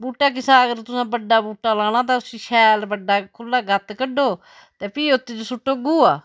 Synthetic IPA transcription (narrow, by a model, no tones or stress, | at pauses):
buːʈːaːk̬ɪsaːəɡəɾt̪ʊsãːbəɖːaːbuːʈːaːlaːɽ̃ãːt̪̬aːʊsĩːʃʰɛːlbəɖːaːkʰʊlːaːɡət̪kəɖoː | t̪eːpiːʊt̪ːeːd͡ʒosʊʈːoːɡuːaː